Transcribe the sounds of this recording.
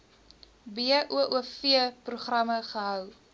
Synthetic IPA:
biəʔuəʔuəfiəpruχrɐməχəɦœw

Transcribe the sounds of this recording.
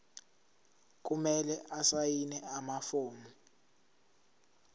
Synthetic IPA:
k̬umɛlɛʔasajinɛamafoːnu

